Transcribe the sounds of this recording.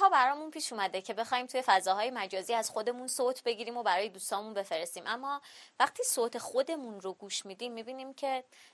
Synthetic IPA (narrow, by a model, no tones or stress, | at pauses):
hɒːbæɾɒːmunpʰiːʃumæd̪e̞cʰe̞be̞xɒːhiːmt̪ʰuje̞fæzɒːɦɒːje̞mæd͡ʒɒːziːæz̥xo̞d̪e̞munsoːt̪ʰbe̞ɟiːɾiːmo̞bæɾɒːje̞d̪uːst̪ɒːmunbefe̞ɾest̪iːmʔæmːɒːvæχt̪ʰiːsoːt̪ʰe̞xod̪e̞munɾoɡuːʃmiːd̪iːmːiːbiːniːmcʰe̞